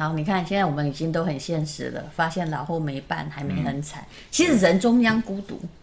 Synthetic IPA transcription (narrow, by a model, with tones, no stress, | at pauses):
xɑ˧˥ʊni˨˩kʰa˥˩nɕjɛ˥˧nt͡sa˥˩wɔ˨˩mə˦ni˨˩t͡ɕi˥ŋt̪o˥ʊxə˨˩nɕjɛ˥˩nʂɻ̩̰˧˥d̪ə̰˨fa˥ɕjɛ˥˩nlɑ˨˩ʊxo˥˩ʊme˧˥ɪpa̰˥˩˨nxa˧˥ɪme˧˥ɪxə˧˥nt͡sʰa˨˩˦ɪ | t͡ɕʰi˧˥ʂɻ̩˨˧˩ɻə˧˥nʈ͡ʂʊ˥ŋjɑ˥ŋku˥t̪ṵ˨˧˦